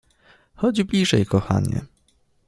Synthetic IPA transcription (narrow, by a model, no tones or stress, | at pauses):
xɔd͡ʑblʲiʐɛjkɔxa̰ɲɛ̰